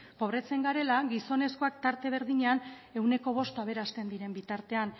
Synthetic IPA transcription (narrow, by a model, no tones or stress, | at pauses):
po̞βɾe̞t͡se̞ŋɡaɾe̞laɡiso̞ne̞sko̞akt̪aɾt̪e̞β̞e̞ɾðiɲean | e̞wne̞ko̞β̞o̞st̪aβe̞ɾast̪e̞nd̪iɾe̞mbit̪aɾt̪e̞an